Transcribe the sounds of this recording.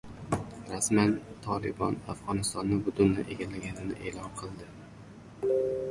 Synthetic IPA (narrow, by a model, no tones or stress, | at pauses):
ɾasmant̪ʰɒlɪbɒnafʁɒnɪst̪ɒnːɪbʊt̪ʰʊnla̰ʔe̞ɡʲalaɡʲanɪnɪ̰ʔe̞ːlɒnqʰɨlˠd̪ɪ